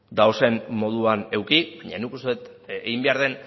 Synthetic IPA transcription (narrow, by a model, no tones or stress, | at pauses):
d̪awse̞mmo̞ðuane̞wkiβbaɲa̰nikust̪eet̪ | eɣimbe̞aɾð̞e̞n